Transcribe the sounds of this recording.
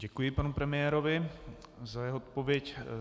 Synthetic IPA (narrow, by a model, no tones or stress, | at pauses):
ɟɛkujɪpanupɾɛmɪɛːɾo̞vɪ | zajɛɦoot̪̚po̞vɪjɛc